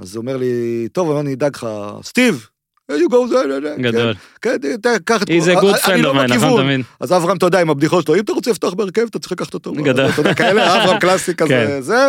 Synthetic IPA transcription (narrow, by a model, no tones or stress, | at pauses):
a̰zomeʁlit̪o̞vamanid̪aɡχa̰st̪iv | hijuɡowzeeeɡakeol | kentt̪akaχat̪izeɡudfend̪omankivunvinazavʁamt̪od̪eaimabd̪iχoʃloimt̪aʁot͡selift̪oaχbeːʁkevt̪at͡si̥χlakaχḁt̪ot̪oɡadot̪od̪ekaeleaavʁamklasikazeze